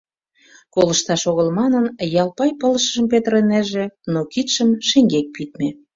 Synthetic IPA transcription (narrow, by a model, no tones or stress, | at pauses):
koləʃt̪ɑʃoɣəlmɑnənjɑlˠpɑjpɤləʃə̆ʒə̆mpet̪əɾenæʒĕnokit̪ʃəmʃeŋɡek̚pit̪̚me